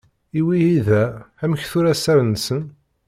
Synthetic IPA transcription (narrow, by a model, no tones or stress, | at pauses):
iwiiðææməçθʊɾæsæɾənsən